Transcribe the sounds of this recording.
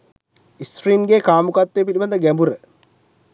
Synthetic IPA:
ist̪ɾiːmɡeːkaːmukat̪ːejp̬iliband̪əɡæmbuɾə

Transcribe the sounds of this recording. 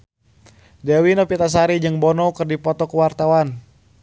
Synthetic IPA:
dɛwinɔpit̪as̬aɾid͡ʒɨŋbɔnɔkɨrdipɔt̪ɔkuwart̪awan

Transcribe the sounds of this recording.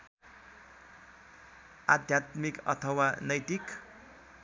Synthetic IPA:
ad̪ʱjat̪mikʌ̰t̪ʰʌwanʌjt̪ik

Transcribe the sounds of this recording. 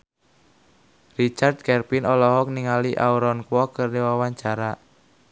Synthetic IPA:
rit͡ʃard̪̚kɛrpinɔlɔɦɔk̚niŋaliʔauɾɔnkwɔkərniwawaɲt͡ʃaɾa

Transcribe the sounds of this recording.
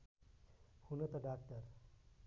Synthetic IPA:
hunət̪aɖak̚ʈəɾ

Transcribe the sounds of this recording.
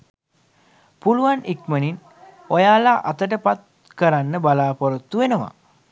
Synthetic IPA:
puluʋanʔikmənin | ojaːlaʔat̪əʈ̬əpat̪̚ | kəɾanːəbalaːpoɾot̪ːuʋenəʋa̰

